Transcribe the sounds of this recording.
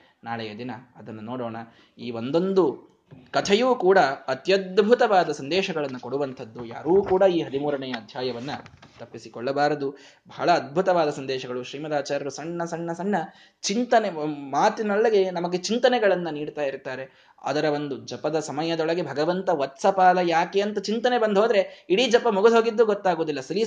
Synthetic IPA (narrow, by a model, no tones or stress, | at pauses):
naːɭɐjɐd̪inɐɐd̪ɐnːunoːɽɔːɳɐ | iːʋo̞nd̪o̞nd̪u | kɐt̪ʰɛjuːkuːɽɐɐt̪jɐd̪̚bʱut̪ɐʋaːd̪ɐsɐnd̪ɛːʃɐɡɐɭɐnːukoɽuʋɐnt̪ʰɐd̪ːuja̰ːɾuːkuːɽɐiːɦɐd̪imuːɾɐɳɛjɐːd̪ʱjaːjɐʋɐnːɐt̪ɐpːisikɔɭːɐbaːɾɐd̪u | bʱɐɭɐːd̪̚bʱut̪ɐʋaːd̪ɐsɐnd̪ɛːʃɐɡɐɭuʃɾiːmɐd̪aːt͡ʃaːɾɐɾusɐɳːɐsɐɳːɐsɐɳːɐ | t͡ʃint̪ɐnemaːt̪inɐɭːɐɡe̞nɐmɐɡe̞t͡ʃint̪ɐnɛɡɐɭɐnːɐniːɽt̪aːjiɾt̪aːɾe̞ | a̰ːd̪ɐɾɐʋond̪ud͡ʒɐpɐd̪ɐsɐmɐjɐd̪ɔɭɐɡe̞bʱɐɡɐʋɐnt̪ɐʋɐt̪sɐpaːlɐjaːkeːɐnt̪ɐt͡ʃint̪ɐnebɐnd̪ʱɦo̞ːd̪ɐɾe̞iɽid͡ʒɐpːɐmuɡud̪ʱɦo̞ːɡid̪ːuɡɔt̪ːaːɡoːd̪ilːɐsɐli